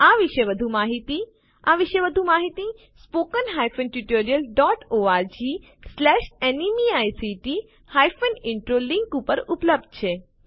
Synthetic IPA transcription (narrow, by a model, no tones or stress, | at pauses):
aʋiʃeʋəd̪ʱumaɦit̪i | aʋiʃeʋəd̪ʱũmaɦit̪i | spokənɦajfənʈuʈoɾijəlɖɔʈoaɾd͡ʒi | slɛʃenimiajsiʈi | hajfənɪɳʈɾoliŋkupəɾupləb̚d̪̚t͡ʃʰe